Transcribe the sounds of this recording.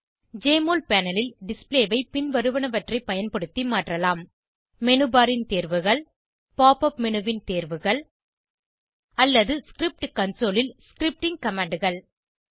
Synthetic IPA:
d͡ʒeːmoːlpaːnɐlɪlɖɪspleːʋɐɪpɪnʋɐɾɯʋɐnɐʋɐʈrɐɪpɐjɐnpɐɽɯt̪ːimaːʈrɐlaːm | mɛnɯbaːɾɪnt̪eːɾʋɯɣɐɭ | paːpɐpmɛnɯʋɪnt̪eːɾʋɯɣɐɭ | ɐlːɐðɯskɾɪp̚ʈkɐnsoːlɪlskɾɪp̚ʈɪŋkɐmaːɳɖɯɣɐɭ

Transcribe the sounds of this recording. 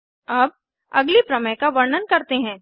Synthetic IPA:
ɐb̚ | ɐɡlipɾɐməjkaʋɐɾnənkɐɾt̪eɦɛ̃ː

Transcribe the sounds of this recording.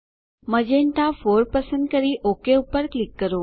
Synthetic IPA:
məd͡ʒeɳʈafoɾpəsə̃nd̪̚kəɾiʔokeupːəɾklɪkːəɾo

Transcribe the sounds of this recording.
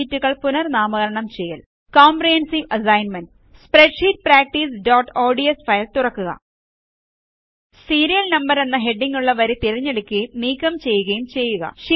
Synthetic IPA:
itːuɣɐɭpunɐrnaːmɐɣɐɾɐɳɐmt͡ɕe̞jːɐl | koːmprihensiʋɐsɐjnmɐnɖ | spreɖʂiːt̚praːk̚ʈiːsɖoːʈːoːɖiesfɐjlt̪urɐkːuɣɐ̰ | siːɾijɐlnɐmbɐɾe̞nːɐɦe̞ɖːiŋɡuɭːɐʋɐɾet̪iɾiɲːeɽikʲːɨniːkːɐmt͡ɕe̞jːuɣɐjumt͡ɕe̞jːuɣɐ̰ʂi

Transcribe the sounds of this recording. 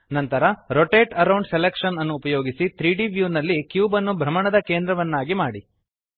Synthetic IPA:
nɐnt̪ɐɾɐɾoʈeːʈɐɾɐwɳɖselekʂɐnɐnːuːpɐjo̞ːɡisit̪ɾiːɖiʋjuːnɐlːikjuːbɐnːubʱɾɐmɐɳɐd̪ɐkeːnd̪ɾɐʋɐnːaːɡimaːɽi

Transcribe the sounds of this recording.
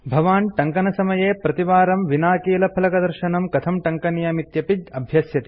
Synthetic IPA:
bʱɐʋaːnʈɐŋkɐnɐsɐmɐjeːpɾɐt̪iʋaːɾɐmʋinaːkiːlɐpʰɐlɐkɐd̪ɐɾʃɐnɐmkɐt̪ʰɐmʈɐŋkɐnjaːmit̪jɐpid̪ɐbʱjɐsjɐt̪i̥

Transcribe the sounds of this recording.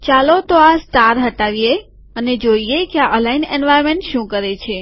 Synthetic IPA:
t͡ʃalot̪oasʈaɾɦəʈaʋije | əned͡ʒoijekeaʔəlainenʋajɾmẽɳʈʃũkəɾet͡ʃʰe

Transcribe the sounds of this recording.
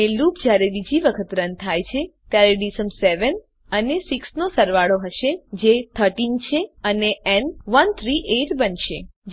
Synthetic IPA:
elupd͡ʒjaɾebid͡ʒiʋəkʰət̪ɾənt̪ʰajt͡ʃʰet̪jaɾeɖisəmseʋən | ənesiksnosəɾʋaɭoɦəʃed͡ʒet̪ʰəɾʈint͡ʃʰeəneɛnʋənt̪ʰɾiʔeʈbənʃed͡ʒ

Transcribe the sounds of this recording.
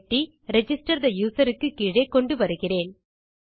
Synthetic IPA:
ʈːi | ɾɛd͡ʒɪsʈɐɾðɐjuːsɐɾɯkːɯkːiːɻeːkːɔɳɖɯʋɐɾɯɣɪreːn

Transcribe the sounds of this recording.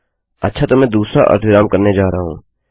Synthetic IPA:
ɐtːʃʰat̪omɛ̃ːd̪uːsɾa̰ʔɐ̰ɾt̪ʰʋɪɾaːmkɐɾned͡ʒaːɾəaɦṵ̃ː

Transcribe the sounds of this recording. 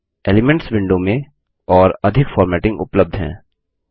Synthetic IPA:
eːlɪmɛ̃ɳʈsʋɪ̃ɳɖomẽ | ɔːɾɐd̪ʱɪkfɔːɾmɛːʈɪ̃ŋɡʊ̰pləb̚d̪ʱɦɛ̰̃ː

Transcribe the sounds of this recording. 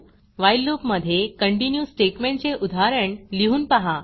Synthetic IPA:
ʋajlːupməd̪ʱːjekəɳʈinjuːsʈeʈmeɳʈt͡seʔud̪ʱaɾəɳliɦuːnpaɦa

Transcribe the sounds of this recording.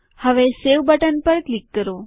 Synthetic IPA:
həʋeseʋbəʈənpəɾklikːəɾo

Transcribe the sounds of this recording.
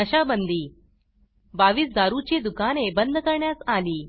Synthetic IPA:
əɕabənd̪ʱiː | baʋiːsd͡zaɾut͡ɕid̪ukanebənd̪ʱkəɾɳjasaliː

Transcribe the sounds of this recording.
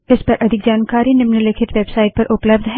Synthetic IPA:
ɪspɐɾʔɐd̪ʱɪk̚d͡ʒaːnkaːɾinɪmnəlɪkʰɪʈʋeːbsaːɪʈ̚pɐɾʔʊpləb̚d̪ʱɦɛ

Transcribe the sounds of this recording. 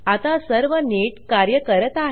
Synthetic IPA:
at̪asəɾʋəneʈkaɾjəkəɾət̪aɦ

